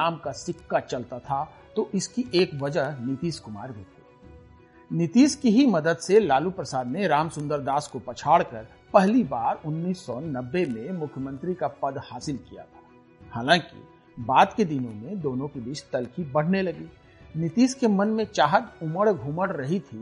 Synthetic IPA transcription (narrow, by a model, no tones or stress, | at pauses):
aːmkasɪkːat͡ʃɐlt̪at̪ʰa | t̪oʔɪskiʔeːkʋɐd͡ʒəɦnɪt̪iːskʊma̰ːɾbeːt̪iː | nɪt̪iːskiɦimɐd̪əd̪selaːlupɾəsaːd̪neɾaːmsʊ̃nd̪əɾd̪aːskopɐt͡ʃʰaːɽkəɾ | pɛɦlibaːɾʊnːiːsːɔnɐbːemẽmʊkʰjəmə̃nt̪ɾikapɐd̪haːsɪlkija̰t̪ʰḁː | haːlãːkḭ | baːd̪ked̪ɪnõmẽd̪oːnõkid̪ɪʃt̪ɐlkibɐɽ̤nelɐɡiː | nɪt̪iːskemɐnmẽt͡ʃaːɦət̪ʊməɽɡʱuməɽɾɐɦit̪ʰi